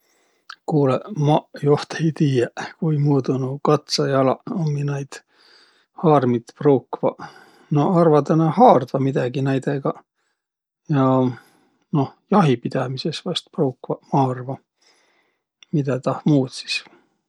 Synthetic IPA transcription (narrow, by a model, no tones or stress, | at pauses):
kuːlemɑjoht̪ejt̪iːjekujmuːd̪unukɑt̪sɑjɑlɑ̰oŋɡinɑjd̪̥ | hɑːrmit̪pruwkːvɑ̰ | noɑrvɑt̪enɑhɑːrd̪̥vɑmid̪̥ɑɡ̥inæjd̪̥eɡ̥ɑ | jɑ | no̞hjɑɦipid̪̥ɑmisesvɑst̪̚prowkːvɑmɑːrvɑ | mid̪̥æt̪ɑhmuːt̪si̥s